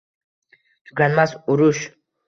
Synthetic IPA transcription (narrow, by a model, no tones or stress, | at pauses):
d͡ʒuɡanmasuɾuʃ